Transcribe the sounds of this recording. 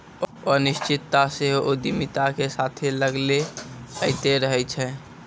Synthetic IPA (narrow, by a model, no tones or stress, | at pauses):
ɔːɾnɪʃt͡ʃɪt̪ːaseɦood̪imit̪akesat̪ʰeləɡleəɪt̪eɾəɦɛt͡ʃʰɛ̃ː